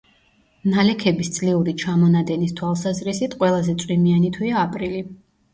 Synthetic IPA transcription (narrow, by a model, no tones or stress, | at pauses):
nalɛkʰɛbist̪sʼliuɾit͡ʃʰamɔnad̪ɛnist̪ʰwalˠsazɾisit̪ʰqʼwɛlˠazɛt̪sʼwimianit̪ʰwiaːpʼɾili